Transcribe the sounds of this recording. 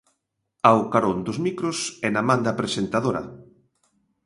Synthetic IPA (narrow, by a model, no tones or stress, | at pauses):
awkaɾond̪ʊzmikɾʊsɛnamãnd̪apɾesent̪aðoɾɐ̰